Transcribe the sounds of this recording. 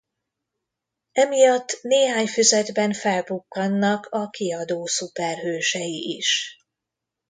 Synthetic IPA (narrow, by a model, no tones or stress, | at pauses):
ɛmijɒt̪ːneːɦaːɲfyzɛd̪bɛnfɛlbukːɒnːɒkʰɒkiɒd̪oːsupɛrɦøːʃɛjiʔiʃ